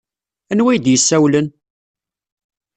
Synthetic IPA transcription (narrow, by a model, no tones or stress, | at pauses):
ænwæjd̪jəsːæwlən